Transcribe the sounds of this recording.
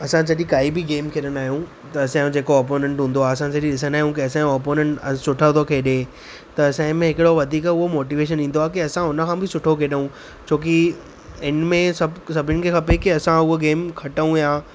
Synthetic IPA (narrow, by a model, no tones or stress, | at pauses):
ɐsãsɐʄĩkaːibɪɡeːmkʰeɗənaːɦijũ | t̪ɐɐsãd͡ʑeːkoɔːɾp̬oːnẽɳʈɦũːn̆d̪oaːɐsãsɐʄĩɗɪs̬ənaːɦijũkiɐsãɔːɾpoːnẽɳʈsʊʈʰət̪ʰokʰeːɗe | t̪ɐɐsãɪ̃mẽɦɪkɪɽoʋɐd̪ʱiːkʊɦomoːʈiʋeːʃ̬ənĩːn̆d̪oaːkiɐsãʊnə̆kʰãːbɪsʊʈʰokʰeːɗəũ | t͡ɕʰoːk̬i | ɪnmẽsɐsɐbʱɪnɪ̆kʰeːxɐpekiɐsãʊɦoɡeːmkʰɐʈəũjãː